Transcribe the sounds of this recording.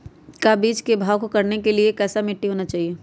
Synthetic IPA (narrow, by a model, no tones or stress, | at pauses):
kabiːd͡ʒkebʱaːʋkokɐɾnekeliekɛːsamɪʈːiɦoːnat͡ʃaːɦieː